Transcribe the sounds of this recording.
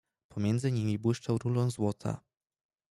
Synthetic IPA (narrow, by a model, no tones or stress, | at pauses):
pɔmʲjɛnd̪zɘɲimʲibwɘʂt͡ʂawɾulɔ̃w̃zwɔt̪ʰa̰